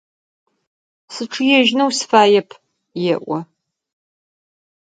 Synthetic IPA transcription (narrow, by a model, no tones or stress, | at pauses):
sɨʈ͡ʂʰɨjɛʒnɐwsfaːjɛpʰ | jɛʔʷɔ